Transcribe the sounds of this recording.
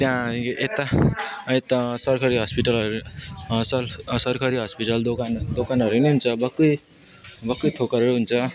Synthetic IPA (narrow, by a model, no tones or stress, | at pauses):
t̪jãʔet̪aet̪asʌrkʰʌɾiɦʌspiʈʌlʌɾusʌsʌrkʰʌɾiɦʌspiʈʌld̪okand̪okanɦʌɾuneɦunt͡sʰʌbʌkːʌj | bʌkːʌjt̪ʰokʌɾeɾuɦunt͡sʰʌ